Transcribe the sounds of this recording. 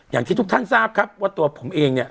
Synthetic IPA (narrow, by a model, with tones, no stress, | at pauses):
ja˨˩t̪ʰiː˥˩t̪u˦˥k̚t̪ʰa˥˩nsaː˥˩p̚kʰa˦˥p̚waː˥˩t̪u˧ɐpʰo˩˦mʔeː˧ŋni˥˩ɐ